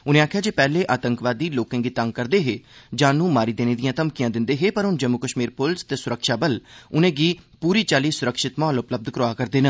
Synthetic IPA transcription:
ʊnẽːaːkʰjaːd͡ʒeːpɛːleːʔaːt̪əŋkʋaːd̪iːloːkãːɡiːt̪əŋɡkəɾd̪eːɦeːd͡ʒãːnũːmaːɾiːd̪eːneːd̪ijãːt̪əmkijãːd̪ɪnd̪eːɦeːpəɾʊnd͡ʒəmːʊkəʃmiːɾpʊlst̪eːsʊɾəkʃaːbəlʊnẽːɡiːpuːɾiːt͡ʃaːliːsʊɾəkʃɪt̪mãːlʊpləb̚d̪kɾʊaːkəɾd̪eːnə̃

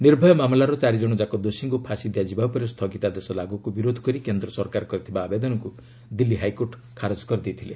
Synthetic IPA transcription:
niɾbʱɔjɔmamlaɾɔt͡ʃaɾid͡ʒɔɽ̃ɔd͡ʒakɔd̪osiŋkupʰasid̪ejad͡ʒibapɔɾest̪ʰɔɡit̪ad̪esɔlaɡukubiɾod̪ʱɔkɔɾikend̪ɾɔsɔɾkaɾɔkɔɾit̪ʰibaːbed̪ɔnɔŋku | d̪ilːiɦajkoɾʈ | kʰaɾɔd͡ʒɔ̥kɔɾid̪et̪ʰile

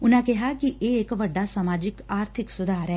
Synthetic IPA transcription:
ʊnãːkɪɦaːkiʔeːɪkʋəɖːaːsəmaːd͡ʒɪkaːɾt̪ʰɪksʊd̪ʱaːɾɛː

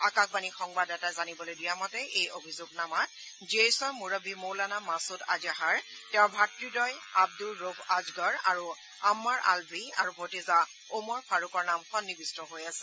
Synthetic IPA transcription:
akak̚banixɔŋbadɛtazanibɔlojdijamɔtɛʔejobʱizoɡnamat̚ | ziesɔɹmuɹɔbʱimowlanamasʊta̰d͡ʒaɦaɹ | tɛʊ̃bʱatɹidɔjab̚duɹopʰazɡɔɹaɹu | amːaɹʔa̰lbia̰ɹubʱɔtiza | omɔɹpʰaɹukɔɹnamxɔnːibistɔɦojasɛ̥

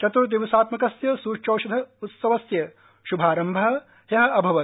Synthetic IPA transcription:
t͡ʃɐt̪uɾd̪iʋɐsaːt̪mɐkɐsjɐsuːt͡ʃoːʃɐd̪ʱɐut̪sɐʋɐsjɐ | ʃubʱaːɾɐmbʱɐɦɐ̆ | jɐɦɐɐbʱɐʋɐ

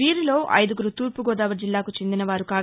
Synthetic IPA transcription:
iːɾilo̞ːʔɐ̰jd̪uɡuɾut̪uːɾpuɡɔːd̪aːʋɐɾd͡ʒilːaːkut͡ʃe̞nd̪inɐʋaːɾukaː

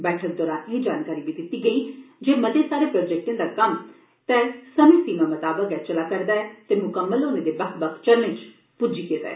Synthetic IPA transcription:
bɛːʈʰək̚d̪ɔːɾãːnẽd͡ʒaːnkaːɾibid̪ɪt̪iɡəiːd͡ʒeːməd̪esaːɾepɾoːd͡ʒɛk̚ʈẽd̪aːkɐm | t̪ɛːsəmẽːsiːmamət̪aːbəkɛt͡ʃəlaːkəɾd̪aːɛːt̪emʊkəmːəlonẽd̪ebəkʰbəkʰt͡ʃəɾmɪ̃t͡ʃ | pud͡ʒiːket̪a̰ː

